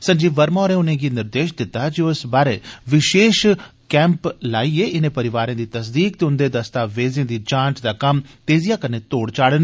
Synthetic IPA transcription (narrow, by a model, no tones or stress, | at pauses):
sə̃nd͡ʒiːʋəɾmɔːɾẽːʊnẽːɡiːnɪɾd̪eːʃd̪ɪt̪ːaːd͡ʒioɪsbaːɾeːʋɪʃeːʃ | kɛ̃ːmplaːiːeːʔɪnẽːpəɾɪʋaːɾãːd̪iːt̪əsd̪iːk̚t̪eʊnd̪eːd̪əst̪aːʋeːzẽːd̪iːd͡ʒãːnt͡ʃd̪aːkəmt̪eːzijaːkəneːt̪oːɽt͡ʃaːɽən